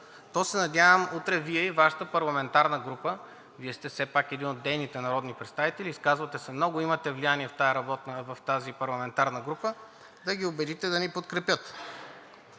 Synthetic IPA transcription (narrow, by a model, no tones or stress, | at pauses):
t̪ɔsɛnɐd̪ʲjavəmut̪ɾɛviɛivaʃə̥t̪əpɐɾlˠɐmɛnt̪aɾnəɡɾupə | viɛst̪ɛfsɛpakɛd̪inod̪ːɛjnit̪ɛnɐɾɔd̪nipɾɛt̪st̪avit̪ɛlʲiːskazvɐt̪ɛsɛmnɔɡʊimɐt̪ɛvlijaniɛft̪ajɐɾɐbɔt̪nəvɐft̪azipɐɾlˠɐmɛnt̪aɾnəɡɾupə | d̪ɐɡʲiobɛd̪it̪ɛd̪ɐnipot̪kɾɛpʲjɤt̪